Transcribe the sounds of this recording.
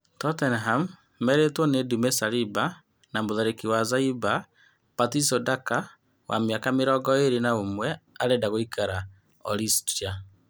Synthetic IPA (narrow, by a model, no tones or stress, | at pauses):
tɔtɛnɦamː | ɛɾetwɔnedumesaɾiba | namoðaɾekiwazaiba | patisɔdaka | wa̰meakameɾɔɡɔeɾenaomwɛaɾedaɣoikʰaɾa | ɔ̰ɾistɾia